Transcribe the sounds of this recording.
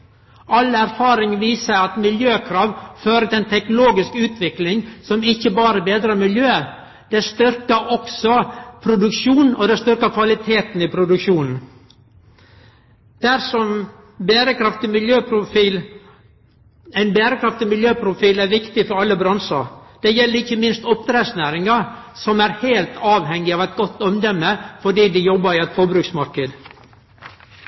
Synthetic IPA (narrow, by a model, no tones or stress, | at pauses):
ʔɑlæɾfɑːɾɪŋʋiːsəɾɑt̪mɪljøːkʰɾɑːʋføːɾət̪ɛnt̪ʰɛknloːɡɪskʉːt̪ʰʋɪklɪŋsɔmɪçːəbɑːɾəbeːd̪ɾəmɪljøː | d̪̥ɛst̪ʏɾkəʔɔksɔpʰɾʊd̪ʉkʂuːnɔd̪ɛst̪ʏɾkɑkʰʋɑlɪt̪ʰeːt̪n̩ɪpʰɾʊd̪ʉkʂuːnn̩ | d̪̥æɾʂɔm | bæːɾəkʰɾɑft̪ɪmɪljøːpʰɾʊfiːl | æɪnbæːɾəkʰɾɑft̪ɪmɪljøːpʰɾʊfiːlæɾʋɪkt̪ɪfɔɾɑlːəbɾɑnsɑ̰ɾd̪̥ɛjɛlːəɾɪçːəmɪnst̪ɔp̚ːt̪ɾɛːsnæːɾɪŋɑ | sɔmæɾheːlt̪ɑːʋhɛŋːɪɑːʋæɪt̪̚ɡɔt̪ːɔmd̪ɛmːəfɔɖiːd̪ɪjɔbːɑɾɪɛt̪fɔbɾʉksmɑɾkəd̪